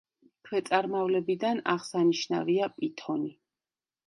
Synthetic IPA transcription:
kʰwɛt̪sʼaɾmavlɛbid̪ana̰ʁsaniʃna̰viapʼit̪ʰɔni

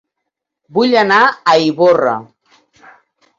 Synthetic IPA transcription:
buʎənaəiβorə̰

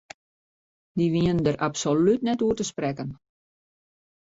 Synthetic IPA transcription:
diʋiəndəɾapsolytnɛtuətəsprɛkən

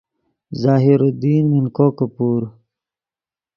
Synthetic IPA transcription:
zaːɦiɾud̪iːnminkoːkɐpuːɾ

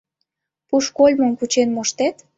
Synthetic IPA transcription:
puʃkolʲmə̆mkut͡ɕenmoʃt̪et̪

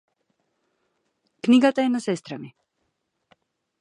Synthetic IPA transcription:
kniɡat̪aɛnasɛst̪ɾami

